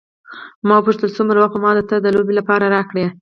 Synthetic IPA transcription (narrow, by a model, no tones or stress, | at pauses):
mɑwəpuʂt̪əlsumɾawaxt̪mɑd̪ət̪əd̪əlobelapɑɾaɾɑkɽe